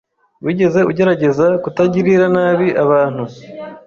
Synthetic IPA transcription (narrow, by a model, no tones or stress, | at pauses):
wiːɟe̞ze̞uɟe̞ɾaɟe̞zakutaɟiɾiɾanaːβiʔaβaːn̥hu